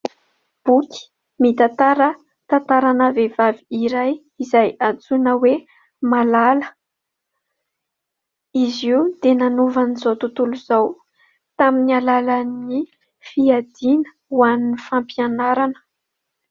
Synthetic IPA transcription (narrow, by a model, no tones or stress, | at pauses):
b̥uki̥ | mit̪at̪aɾə | t̪ãnt̪aɾanəvevaviiɾaj | izajat͡sunəwe | malalə | iziud̪̥enanuvanizot̪ut̪uluzaw | t̪aminialaləni | fiad̪inə̥ | waninifampianaɾanə̥